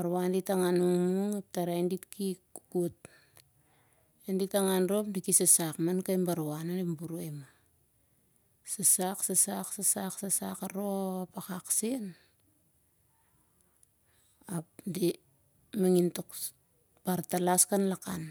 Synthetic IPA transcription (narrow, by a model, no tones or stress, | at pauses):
baɾwanditaŋanuŋmmuŋap̚taɾainditkikukut̚ | enditaŋanɾopdikisasakmankajmbaɾwanandimbuɾuema | sasaksasaksasaksasakaɾopakaksen | apdi | maŋintok | paɾtalaskanlakan